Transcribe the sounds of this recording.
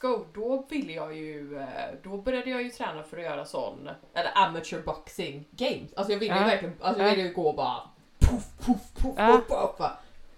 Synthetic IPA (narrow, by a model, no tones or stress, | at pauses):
skoʊd̪ɔvɪlːəjɑːjɵd̪ɔbœɾjad̪əjɑːjɵt̪ʰɾɛːnafœɾɔjœ̰ːɾasɔ̰nːʔɛlːə̰ɾʔæmat͡ʃʉːɾbɑksɪŋɡejmsʔalsɔjɑːvɪlːəjʏvæɾklɪɡənʔalsɔjɑvɪlːəjɵɡoːbɑ̰ːɾa̰ | pʰʊfpʰʊfpʰʊfɵfɵpːva